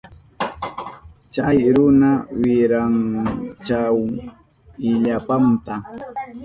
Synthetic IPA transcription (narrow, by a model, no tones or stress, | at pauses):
t͡ʃajɾʊnawɪɾaŋt͡ʃaw | ɪʎapamt̪a